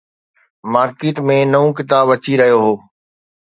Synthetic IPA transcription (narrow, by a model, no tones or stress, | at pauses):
maːɾkiːʈ̪mẽnɐũk̬ɪt̪aːbʋɐt͡ɕiɾɐɦijoɦoː